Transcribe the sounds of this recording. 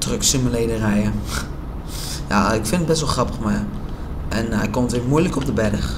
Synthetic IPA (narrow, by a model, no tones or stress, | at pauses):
trøksiməledərɛjə | ja̰ɪkfɪndəd̚bɛs̬ʋəlˠχrɑpəmaj | ʔɛnɛ̰jkɔmtʋɪmujləkɔp̚dəbɛdəχ